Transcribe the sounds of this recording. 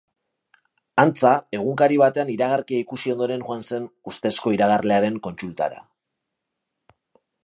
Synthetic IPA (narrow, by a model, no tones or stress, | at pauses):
ant͡sae̞ɣ̞uŋkaɾiβ̞at̪e̞aniɾaɣ̞aɾkiaikusio̞nd̪o̞ɾe̞nxoanse̞nust̪e̞sko̞iɾaɣ̞arle̞aɾe̞ŋko̞nsult̪a̰ɾa̰